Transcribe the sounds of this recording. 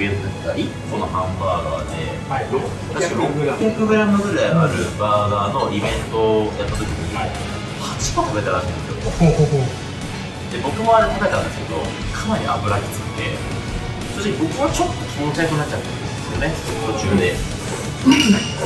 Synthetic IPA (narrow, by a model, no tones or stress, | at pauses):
bẽnt̪ot̪ːai | sonohãmbaːɡa̰ːd̪e | t̪aikaɾookɯɡɯ̟ɾamɯnoɡɯ̟ɾajaɾɯ̟̰baːɡaːno̞ʔibẽ̞nt̪o̞jat̪ːat̪o̞kʲiɲiɲi | hat͡ɕi̥kakakɾet̪aɾa̰ɕĩnd̪e̞sɨjoohoɦ | d̪̥e̞bo̞kɯ̟mo̞aɾet̪akat̪ãnd̪esɨ̥ke̞d̪o̞̰ | kʰamaɾʲḭa̰bɯ̟ɾakʲi̥t͡sɨ̥it̪e̞̰ | sod̪okʲibo̞kɯ̟βat͡ɕo̞t̪ːokʲʰiõnkaikɯinat͡ɕːat̪ːaõnd̪e̞sɨjo̞ne̞ | t̪o̞t͡ɕɨːd̪e̞